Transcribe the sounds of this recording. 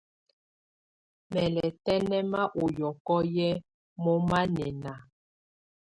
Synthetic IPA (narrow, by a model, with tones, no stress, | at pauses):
mɛ˨lɛ˨tɛ˦nɛ˦ma˦ʔo˨jɔ˨kɔ˦jɛ˦ | mɔ˦ma˦nɛ˨na˨